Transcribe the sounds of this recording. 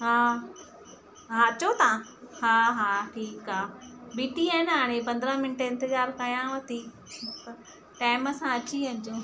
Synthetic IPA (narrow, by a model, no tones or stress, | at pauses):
ɦaː | ɦaːt͡ɕot̪ãɦaːɦaːʈʰiːkaːbiːʈiaːɪnɦaːɽ̃epɐ̃nd̪ɾə̃mɪnʈeɪ̃nt̪ɪzaːɾkaːjãʋɐt̪i | pɐ | ʈaːɪmɐsãɐt͡ɕiɐɲd͡ʑo